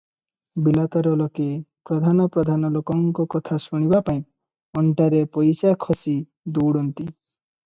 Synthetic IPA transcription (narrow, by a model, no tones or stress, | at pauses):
bilat̪ɔɾɔlɔkepɾɔd̪ʱanɔpɾɔd̪ʱanɔlokɔŋkɔkɔt̪ʰasuɽ̃ibapaĩ | ɔntaɾepɔjsakʰɔsi | d̪uwɽɔnt̪i